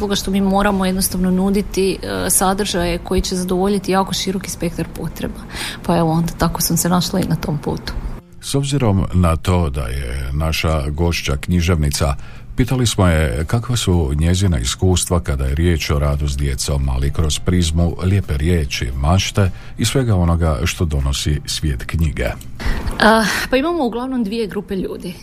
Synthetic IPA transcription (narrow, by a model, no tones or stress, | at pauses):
zlˠoɡaʃt̪o̞miːmo̞ːɾamoje̞d̪nost̪aʋnonud̪it̪isad̪r̩ʒajeko̞jit͡ɕe̞zad̪oʋo̞ʎit̪ijaːko̞ʃiɾo̞ki̥spe̞kt̪aɾpo̞t̪ɾḛbapaeʋoo̞nd̪at̪ako̞sosenaʃlainat̪o̞mpṵːt̪u̥ | so̞bziɾo̞mnat̪o̞ːd̪a̰jḛnaʃaɡo̞ʃt͡ɕakɲiʒe̞ʋnit̪sa | piːt̪alismo̞je̞kakʋasuɲe̞zina̰ḭskuːst̪ʋakad̪aje̞ɾjeːt͡ʃo̞ɾaːd̪usd̪je̞t̪saoma̰likɾo̞z̥pɾizmuljeːpe̞ɾje̞ːt͡ʃḭmaʃt̪e̞ | isʋe̞ɡao̞no̞ɡaʃt̪o̞d̪o̞no̞sisʋjeːt̪kɲiɡe̞̰ | əpaimamouɡlˠaʋnomd̪ʋijeɡɾupeʎuːd̪i